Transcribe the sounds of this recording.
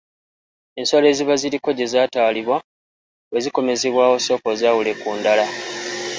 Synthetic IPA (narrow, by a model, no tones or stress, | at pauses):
e̞nso̞le̞ːziβaziɾiko̞ɟe̞zaːtaːliβwa | we̞ziko̞me̞zeβwaːwo̞so̞kozaːwule̞kuːndala